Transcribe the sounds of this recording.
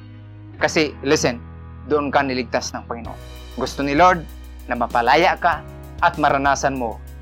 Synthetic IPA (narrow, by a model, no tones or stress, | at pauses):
kasɪlɪsɛn | d̪ʊʔonkanɪlɪɡ̚t̪asnɐŋpaŋɪno̰ʔo̰n | ɡʊst̪onɪloɹd̪̚ | nɐmapalaːjaʔka | ʔːt̪̚maɾanaːsanmo